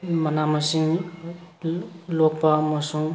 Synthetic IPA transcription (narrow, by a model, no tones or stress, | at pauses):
mʌnamʌsiŋ | lok̚pamʌsuŋ